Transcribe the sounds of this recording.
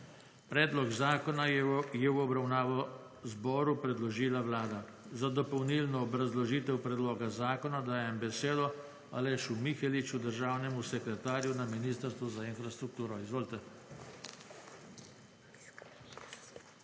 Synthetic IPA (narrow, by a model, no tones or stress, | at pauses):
pɾɛːd̪lɔɡzaːkɔnajɛwɔbɾawnaːʋɔ | zbɔːɾupɾɛd̪lɔʒiːlaʋlaːd̪a | zad̪ɔpɔwnilnɔːbɾazlɔʒiːt̪ɛwpɾɛd̪loːɡazaːkɔnad̪aːjɛmbɛseːd̪ɔ | a̰lɛʃumixɛlit͡ʃud̪əɾʒaːwnɛmusɛkɾɛt̪aːɾjunaminiːst̪əɾst̪ʋuzainfɾast̪ɾuk̚t̪uːɾɔizʋoːlt̪ɛ